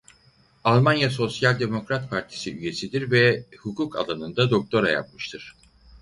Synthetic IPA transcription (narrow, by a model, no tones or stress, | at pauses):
alˠmanjaso̞sjalʲd̪e̞mo̞kɾat̪pʰaɾt̪ʰi̥siyje̞sid̪iɾvɛhukʰuːkʰa̰lˠanɯnd̪ad̪o̞k̚t̪ʰo̞ɾa̰ja̰p̚mɯʃt̪ʰɯɾ̥